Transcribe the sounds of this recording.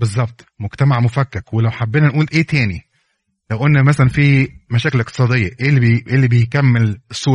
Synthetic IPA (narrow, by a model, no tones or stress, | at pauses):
bezˤːɑb̚t̪ˤmoɡt̪æmaʕmofækːæqwelæwħabːeːnænʔuːlʔeːt̪æːni | læwʔenːæmæsælænfiːmæʃæːkelʔeq̚t̪e̥sˤɑːd̪ejːɑʔeːliʔeːlːibejkæmːelesˤːuː